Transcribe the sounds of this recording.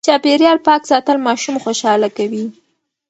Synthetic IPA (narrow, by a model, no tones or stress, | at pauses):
t͡ʃɑpeɾjɑlpɑkzɑt̪əlmɑʃumxoʃɑlakawi